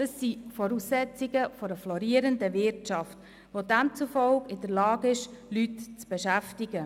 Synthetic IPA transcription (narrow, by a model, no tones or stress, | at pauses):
d̥əsːifɔɾuːsːɛt͡sɪɡəfɔɾəflɔɾiəɾəndəvɪɾtt͡ʃɑft | ʋodæmt͡sufɔlkɪdəɾlɑːɡɪʃlytt͡sb̥eʃæftɪɡə